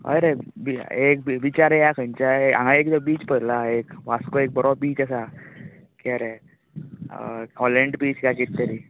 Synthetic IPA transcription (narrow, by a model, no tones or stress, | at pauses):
ɦə̰jɾebiek̚biʋit͡ɕaɾejakʰənt͡ɕaeã̰ŋɡãekt̪ɔbiːt͡ɕpəɾlaekʋaskoek̚bɔɾobiːt͡ɕasa | kɛɾe | ɦɔləɳɖbiːt͡ɕkaket̪t̪əɾi